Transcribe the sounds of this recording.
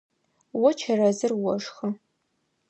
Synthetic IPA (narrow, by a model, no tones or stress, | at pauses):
wɔt͡ʃʰɐrɐzɨrwɔʂxɐ